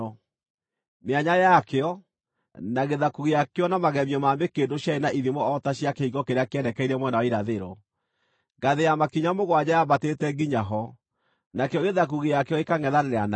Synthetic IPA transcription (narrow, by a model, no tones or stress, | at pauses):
meaɲajakeɔ | naɣeðakuɣijakeɔnamaɣɛmiɔmaːmekeːndoɕjaenaʔiðimɔɔtaɕjakeiɡɔkeɾeakeɛndɛkɛiɾɛmwɛnawaiɾaðeɾɔ | ɡaðejamakiɲamoɣwaɲajamatetɛɡiɲaɦɔ | nakeɔɣeðak̬uɣijakeɔekaŋɛðaneɾeana